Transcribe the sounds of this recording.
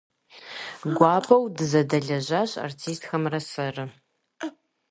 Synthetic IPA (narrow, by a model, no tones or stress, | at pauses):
ɡʷɑːpʰɐwdɨzɐdɐɮɐʑaːɕa̰rtʰiːstxɐmrɐsɐrɨ